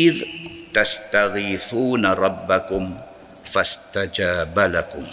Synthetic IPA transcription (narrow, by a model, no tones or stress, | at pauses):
ɪðt̪ast̪aɣiːθuːnaɾˤɑbːakʊm | fast̪ad͡ʒaːbalakʊm